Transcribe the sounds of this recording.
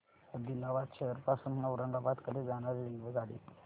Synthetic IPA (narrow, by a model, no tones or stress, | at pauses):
əd̪ilaʋat̪ɕeəɾpasuːnnəuɾəŋɡabat̪kəd̪ed͡zaɽ̃aɾeɾinʋeɡaɽḭt̪